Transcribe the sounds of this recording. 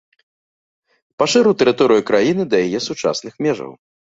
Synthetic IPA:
paʂɨɾut̪ɐɾɨt̪ɔɾɨjukɾajinɨd̪ɐjajɛsut͡ʂa̰snɨxmʲɛʐɐ̰w

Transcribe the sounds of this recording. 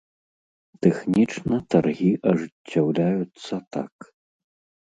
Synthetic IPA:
t̪ɛxnʲit͡ʂnɐt̪arɣʲiʔɐʐɨt͡sʲːawlʲajut̪sːɐt̪a̰k

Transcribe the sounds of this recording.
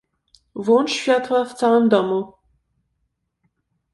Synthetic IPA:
vwɔnt͡ʂɕfʲjat̪waft̪sawɘmd̪ɔmu

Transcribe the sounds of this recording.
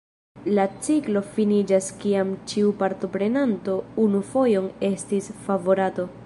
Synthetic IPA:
lat͡siklo̞finid͡ʒaskiamt͡ʃiupaɾto̞pɾe̞nanto̞unufo̞jo̞ne̞stisfavo̞ɾato̞

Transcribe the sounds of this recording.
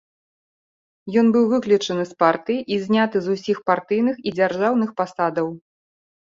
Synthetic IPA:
jɔnbɨwvɨklʲit͡ʂɐnɨspart̪ɨjiʔizʲnʲat̪ɨzusʲixpart̪ɨjnɨxid͡zʲarʐawnɨxpasad̪ɐw

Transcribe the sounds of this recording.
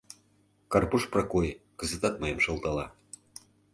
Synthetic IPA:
kɑrpuʃprɑkojkə̆zət̪ɑt̪̚mɤjəmʃɤ̆lˠt̪ɑlɑ

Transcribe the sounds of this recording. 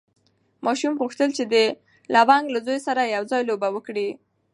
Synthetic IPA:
mɑʃumɣuxt̪əlt͡ʃed̪ə | lawaŋɡlazojsaɾajawzɑjlobawəkɽi

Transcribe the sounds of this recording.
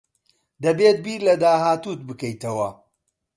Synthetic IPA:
d̪ɐbeːt̪̚biːɾlɐd̪aːɦaːt̪ut̪̚bɨkɐjt̪ɐwɐ̰

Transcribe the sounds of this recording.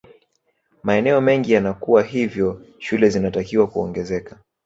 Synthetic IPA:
maɛnɛɔmɛŋɡijanakuwaɦivjɔ | ʃulɛzinatakiwakuɔŋɡɛzɛka

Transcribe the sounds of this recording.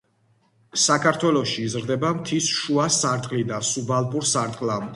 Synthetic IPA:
sakʰaɾt̪ʰwɛlˠɔʃiːzɾd̪ɛbamt̪ʰisʃuasaɾt̪ʼqʼlid̪asubalˠpʼuɾsaɾt̪ʼqʼlamd̪

